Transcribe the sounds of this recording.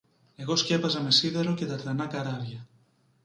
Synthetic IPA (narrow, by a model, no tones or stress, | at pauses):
e̞ɣo̞sce̞pɐzɐme̞siðeɾoceðɐɾðenɐkɐɾaɾʝɐ